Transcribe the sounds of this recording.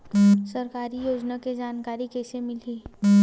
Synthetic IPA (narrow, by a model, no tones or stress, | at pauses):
sɐɾkaːɾijoːd͡ʒnaked͡ʒaːnkaːɾikɛːsemɪliː